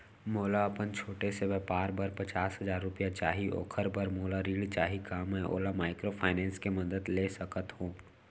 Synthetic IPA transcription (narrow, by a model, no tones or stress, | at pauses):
moːlaɐpənt͡ʃʰoːʈesebɛpaːɾbəɾpɐt͡ʃaːsɦɐzaːɾːʊpijat͡ʃaːɦio̰ːkʰəɾbəɾmoːlaɾiːɽt͡ʃaːɦikaːmɦɛ̃ʔo̰ːlamaːɪkɾopʰaːɪnɛ̃ːnskemɐd̪əd̪leːsɐkət̪ɦũː